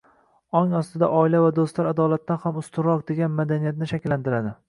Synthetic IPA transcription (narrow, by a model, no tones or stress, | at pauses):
ɒŋɒst̪ɪd̪a̰ʔɒɪlavad̪ost̪laɾad̪ɒlat̪̚ːanhamʊst̪ʰʊɾɒq̚d̪e̞ɡʲanmad̪anijat̪nɪʃakʲlːant̪ɪɾad̪ɪ